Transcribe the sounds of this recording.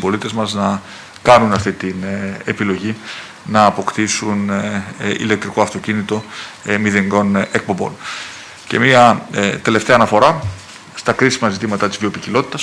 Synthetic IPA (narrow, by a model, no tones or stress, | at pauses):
bo̞lit̪e̞zmɐznɐ | kɐnunɐft̪it̪inepilo̞ʝi | nɐːpo̞kt̪isun | ḭlek̚t̪ɾiko̞ɐft̪o̞cinit̪o̞miðeŋɡo̞nek̚po̞mbo̞̰n | ce̞̰miɐt̪e̞le̞ft̪e̞ɐːnɐfo̞ɾɐ | st̪ɐkɾisimɐzit̪imɐt̪ɐt̪izðio̞picilo̞t̪i̥t̪ɐs